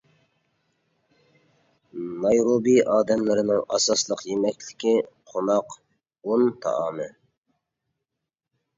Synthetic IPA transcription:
nɑjɾobiʔɑːd̪ɛmlɪɾɪnɪŋʔɑ̰sɑslˠəqjemɛkʲlɪ̥kʲiqʰonɑq | ont̪ʰɑ̰ʔɑːmɨ

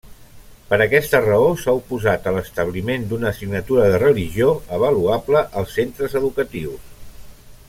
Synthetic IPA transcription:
pəɾəkɛst̪ərəosaupuzat̪ələst̪əβ̞limend̪unəsiɡnət̪uɾəðərəliʒioəβ̞əluapləʔəlˠsːent̪ɾəzəðukət̪iws

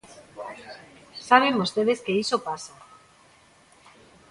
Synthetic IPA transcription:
saβ̞embost̪eðeskeisopasa

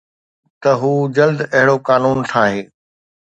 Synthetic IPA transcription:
t̪ɐɦuːd͡ʑɐld̪ɐɦɪɽokaːnuːnt̪ʰaːɦeː

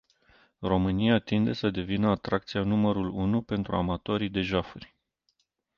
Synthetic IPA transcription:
ro̞mɨnijat̪ind̪e̞səd̪e̞vinəat̪ɾʔakt̪sijanuməɾulunupe̞nt̪ɾṵa̰mat̪o̞ɾijd̪e̞ʒafurʲ

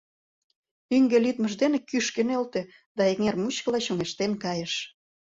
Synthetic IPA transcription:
yŋɡelyt̪məʒd̪enekyʃkenølt̪e | d̪ɑek̚ŋermut͡ɕkəlɑɕoŋeʃt̪enkɑjəʃ

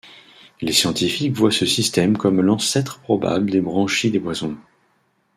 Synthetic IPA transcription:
lesjɑ̃t̪ifikvwasəsist̪ɛmkɔmlɑ̃sɛt̪χəpχɔba̰bld̪ebʁɑ̃ʃid̪ebwazɔ̃

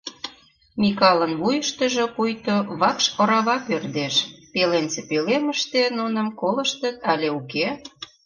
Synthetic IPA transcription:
mikɑlənβujəʃt̪ə̆ʒŏpujt̪oβɑkʃŏɾɑβɑpørd̪eʃpelent͡sepeleməʃt̪enunə̆mkolə̆ʃt̪ə̆t̪ɑlʲeuke

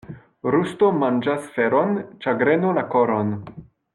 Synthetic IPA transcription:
ɾustomand͡ʒasfeɾont͡ʃaɡɾenolakoɾon

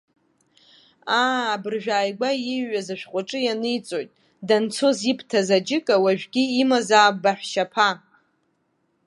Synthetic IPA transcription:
aːbɨrʒʷᶣaːjɡʷajɪɥːazaʃᶣqʷʼaʈ͡ʂʼɨjanɨjt͡sʼo̞jtʼ | dant͡sʰozipʰtʰazad͡ʒɪkʼawaʒᶣɡʲiːmazaːbaħʷᶣʃapʰa

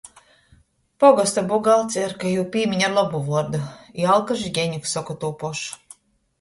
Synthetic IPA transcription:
pɔɡɔst̪abuɡalˠt̪sɛɾkajuːpʲiːmʲiɲʲaɾlˠɔbuvuɔɾd̪uialˠkaʒiɡʲɛɲʲuksɔkɔt̪uːpɔʃ

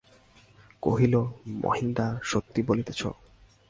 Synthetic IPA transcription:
ko̰ɦilomo̰ɦind̪aʃot̪ːibolit̪et͡ɕʰo̰

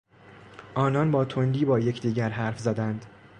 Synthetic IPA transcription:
ʔɒːnɒnbɒːt̪ʰond̪iːbɒːjecʰd̪iːɟæɾɦæɾfzæd̪ænd̪̥

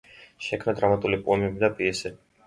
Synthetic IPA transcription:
ʃɛkʰmnad̪ɾamat̪ʼulipʼuɛmɛbid̪apʼiɛsɛ

